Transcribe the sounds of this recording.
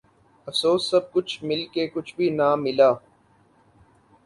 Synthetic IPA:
ɐfsoːsːɐb̚kʊt͡ʃʰmɪlkekʊt͡ʃʰbʱinaːmɪlaː

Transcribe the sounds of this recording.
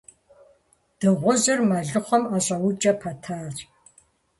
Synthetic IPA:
d̥ɨʁʷʊzɨrmɐɮɨχʷɔmaɕʼɐwʊt͡ʃʼɐpʰɐtʰaːr

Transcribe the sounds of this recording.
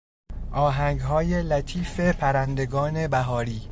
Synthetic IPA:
ʔɒːɦæŋɡɦɒːje̞læt̪ʰiːfe̞pʰæɾænd̪e̞ɡɒːne̞bæɦɒːɾiː

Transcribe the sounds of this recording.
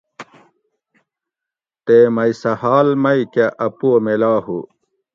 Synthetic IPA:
t̪eːmɐjsɐhaːlmɐikaʔɐpuomelaːhu

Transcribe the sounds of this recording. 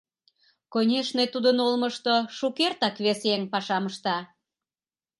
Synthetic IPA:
konʲeʃnet̪ud̪ənolməʃt̪oʃukert̪ɑkβeseŋpɑʃɑməʃt̪ɑ

